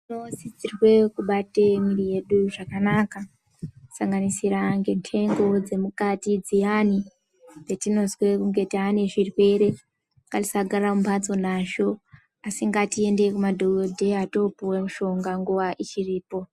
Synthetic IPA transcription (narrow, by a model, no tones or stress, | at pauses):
tino̞zid͡zirwe̞kuɓatemirije̞ɗuʐakanaka | saŋɡanisiɾaŋɡe̞ntʰe̞ŋɡo̞d͡ze̞mukatid͡zijani | d͡zetino̞zwe̞kuŋɡe̞tianeʐirwe̞ɾe̞ | ŋɡati̥saɡʱaɾamumpat͡so̞naʃo̞ | asiŋɡatie̞ndekumadʱoodʱe̞ato̞puwemuʃo̞ŋɡaŋɡuʋaʔit͡ʃiriːpo̞